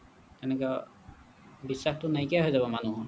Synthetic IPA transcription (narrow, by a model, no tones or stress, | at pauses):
t̪ɛnɛka | bisːaxtʊnajkijaɦojzabɔmanuɦu